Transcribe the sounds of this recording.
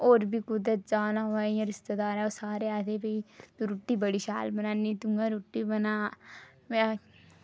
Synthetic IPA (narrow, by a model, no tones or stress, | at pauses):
oːɾbʱiːkʊd̪ɾət̪̚d͡ʒaːnãːɦaːiãɾɪst̪ed̪aːɾɛːosaːɾeːaːt̪eːbəiːt̪oɾuʈːiːbəɽiːʃa̰ːlbənãːniːt̪ʊŋɡaːɾuʈːiːbənaːmɛ̃